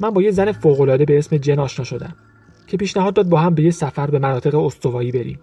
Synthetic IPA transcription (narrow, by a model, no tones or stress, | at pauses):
mænbɒːje̞czæne̞foːɣo̞lɒːd̪e̞be̞esme̞d͡ʒenɒːʃnɒːʃo̞d̪æ̰m | cʰe̞piːʃnæɦɒd̪ːɒːd̪̚bɒːɦæmbe̞jecsæfæɾbe̞mænɒːt̪e̞ɣeost̪o̞vɒːiːbe̞ɾḭːm